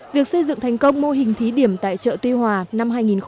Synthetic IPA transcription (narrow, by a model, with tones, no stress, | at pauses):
vi˨˩ək̚sə˧jzɨ̰˧˨ŋt̪ʰa˨˩jŋ̟kə˧wŋ͡mmo˧ɦï˨˩ŋ̟t̪ʰi˨˦ɗi˧˩əmt̪a̰ː˧˨jt͡ɕə̰ː˧˨t̪wi˧hwaː˨˩na˧mɦaː˧jŋi˨˩nx